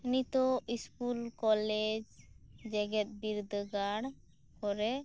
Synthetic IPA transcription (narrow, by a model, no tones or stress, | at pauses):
init̪ɔiskulkɔlɛd͡ʒd͡ʒɛɡɛt̪̚biɾd̪əɡaɽ | kɔɾɛ